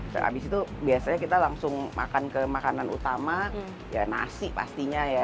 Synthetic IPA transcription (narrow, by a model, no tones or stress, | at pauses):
sə̰a̰bɪsit̪ubiasaɲakit̪alaŋsʊŋmʔa̰kankəmakananṵt̪ama | ja̰na̰sɪpa̰st̪iɲaja